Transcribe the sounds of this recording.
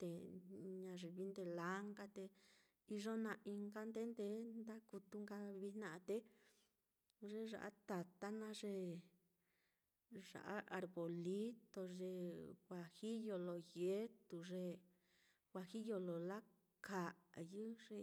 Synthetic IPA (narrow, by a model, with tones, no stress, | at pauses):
t̪e˨ɲã˧ʐe˧βi˧˦nd̪e˧la˦ŋɡa˦˧t̪e˧ | i˧ʐo˦nã˧ʔi˧ŋɡa˦nd̪e˦nd̪e˧˦nd̪a˦ku˧t̪u˧ŋɡa˧βi˧nã˧ʔt̪e˧˦ | ʐe˧ʐa̰˨ʔa̰˦t̪a˨t̪a˦nã˧ʐe˧ | ʐa̰˨ʔa˦ʔa˧ɾβo˨li˦t̪o˧ʐe˧xʷa˨xi˦jo˧lo˨je˦t̪u˧ʐe˧ | wʷa˧xi˦jo˧lo˨la˦ | kʰa˨jɨ˦ʐ̥e˧